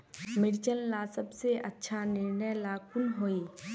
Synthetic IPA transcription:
mɪɽt͡ʃənlaːsəbseʔɐtːʃʰanɪɾnəjlaːkʊnɦoːiː

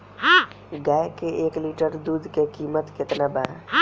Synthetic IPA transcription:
ɡakeʔeːkliʈəɾd̪uːd̪ʱkekiːmət̪kɪt̪naba

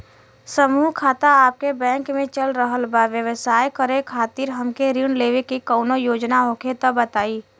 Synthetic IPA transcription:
səmuːɦkʰaːt̪aaːp̚kebɛ̃ːŋkmẽt͡ʃəlɾəɦəlbaʋjəʋsaːjkəɾekʰaːt̪iːɾɦɐmkeɾiɳleːʋekikɔːnojoːd͡ʒnaɦoːkʰet̪ɔbət̪aːiː

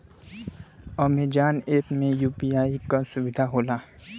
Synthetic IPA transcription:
ɔːmed͡ʒaːneːpmẽjuːpiaːikasʊbɪd̪ʱaɦoːlaː

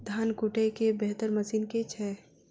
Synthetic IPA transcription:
d̪ʱaːnkuʈekebeɦt̪əɾməsiːnket͡ʃʰɛ

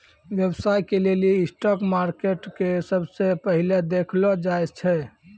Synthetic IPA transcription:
ʋjəbsajkeleliːsʈɔkmaɾkeʈkesəbsepəɦiled̪ekʰlɔd͡ʒaed͡ʒt͡ʃʰɛ

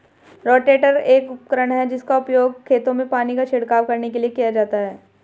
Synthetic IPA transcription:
ɾɔːʈeːʈəɾeːkʊp̚kəɾəɽ̃ɦɛd͡ʒɪskaʊpjoːɡkʰːeːt̪õmẽpaːnikaʃɪɽkaːʋkɐɾnekeliekijad͡ʒaːt̪aɦɛː

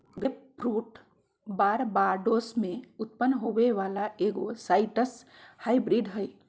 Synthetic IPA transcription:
ɡeppʰɾuːʈ | baːɾbaɾɖosmeʊt̪̚pənːɦobeʋalaʔeɡosaɪʈəs | haibɾiɖɦəj

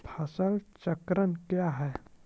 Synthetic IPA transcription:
pʰɐsəlt͡ʃəkɾənkjaɦɛː

